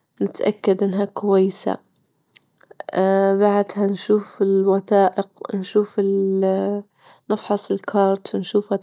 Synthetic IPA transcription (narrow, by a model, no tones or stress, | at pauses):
nɪt̪ʔakːad̪ʔɪnːɦakʊwajːsa̰ | baʕd̪hanʃuːfɪlwaθaːʔɪqnʃuːfɪl | nɪfħɑsˤɪlkʰɑːɾˤt̪wnʃuːfa